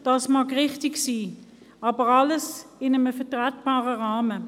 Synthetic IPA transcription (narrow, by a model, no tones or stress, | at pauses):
d̥ɑsmɑkʁɪχtɪksiː | ɑːbəʁɑləsɪnəməfɛɐtʁɛtb̥ɑːʁəʁɑːmə